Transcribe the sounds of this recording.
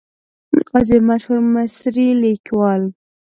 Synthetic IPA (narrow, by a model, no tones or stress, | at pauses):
mḭqɑzemaʃhuɾmɪsɾilikwɑl